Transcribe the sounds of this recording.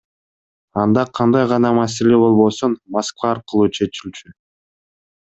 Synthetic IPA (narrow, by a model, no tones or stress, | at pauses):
ɑnd̪ɑqʰɑnd̪ɑjʁɑnɑmɑs̬e̞le̞bo̞lˠβo̞sunmaskvɑːɾqɯlˠuːt͡ʃʰe̞t͡ʃilʲt͡ʃy